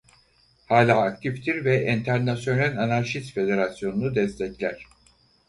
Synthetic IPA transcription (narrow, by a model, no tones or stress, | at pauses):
haːlʲaːk̚t̪ʰift̪ʰiɾvɛʔɛnt̪ʰæɾnasjo̞nælʲanaɾʃist̪fe̞d̪e̞ɾasjo̞nunud̪ɛst̪ʰɛclʲæɾ̝̥